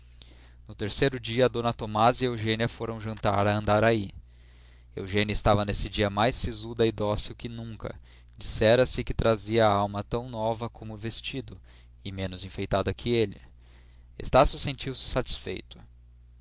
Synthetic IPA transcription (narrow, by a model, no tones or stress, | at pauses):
nʊt̪eɾsejɾʊd͡ʒiɐːd̪õnɐt̪omazɪewʒẽniɐfoɾɐ̃w̃ʒɐ̃nt̪a̰ɾɐɐ̃nd̪aɾai | ḛwʒẽnɐɪst̪avɐnesɪd͡ʒiɐmajsːizud̪ɐid̪ɔsiwkɪnũŋkɐ̰ | d͡ʒisɛɾɐsɪkɪt̪ɾaziɐːawmɐt̪ɐ̃w̃nɔvɐkʰõmʊvest͡ʃid̪ʊ | ɪmẽnʊzĩfejt̪ad̪ɐkʰɪelɪ | ḛst̪asʊsẽnt͡ʃiwsɪ̥sat͡ʃi̥sfḛjt̪ʊ̥